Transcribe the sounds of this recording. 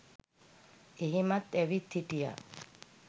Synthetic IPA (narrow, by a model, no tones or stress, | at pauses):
eɦimat̪ɛʋit̪ʰːiʈija̰